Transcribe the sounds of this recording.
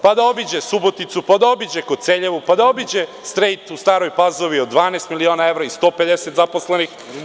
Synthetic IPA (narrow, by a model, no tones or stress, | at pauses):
pad̪ao̞bid͡ʑesubo̞t̪it̪supad̪aobid͡ʑekoseːʎe̞ʋupad̪ao̞bid͡ʑe | st̪ɾejt̪ust̪aːɾo̞jpazo̞ʋio̞d̪d̪ːʋaːneːst̪milioːnae̞vɾaist̪o̞ːpe̞d̪e̞set̪zaposle̞nix